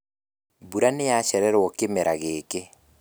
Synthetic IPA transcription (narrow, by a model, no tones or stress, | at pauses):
buɾanejaɕɛɾɛɾwɔkemeɾaɣeːke